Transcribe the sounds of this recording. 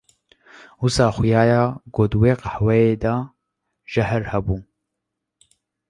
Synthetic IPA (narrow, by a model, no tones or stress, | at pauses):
usɑːxʊjaːjaːɡoːd̪weːqahwɛjeːd̪aː | ʒɛhɛɾhɛbuː